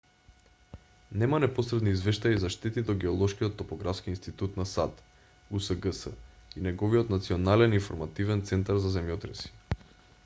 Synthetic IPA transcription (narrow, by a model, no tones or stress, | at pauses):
nɛmanɛposɾɛd̪niːzvɛʃt̪ajaizaʃt̪ɛt̪id̪ɔɡɛɔlˠɔʃkijɔt̪ːɔpɔɡɾafskiinst̪it̪ut̪nasat̪ | usəɡəsə̰inɛɡɔviɔt̪nat̪siɔnalɛniɱfoɾmat̪ivɛnt̪sɛnt̪aɾzazɛmjɔt̪ɾɛsi̥